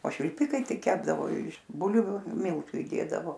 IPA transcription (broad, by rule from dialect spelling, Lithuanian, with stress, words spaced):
oː ʃʲʋʲɪlʲˈpʲɪkɐɪ ˈtɐɪ ˈkʲæːbdɐʋoː ɪʃ ˈbʊlʲʋʲʊ ˈmʲɪlˠtʊ ɪˈdʲeːdɐʋoː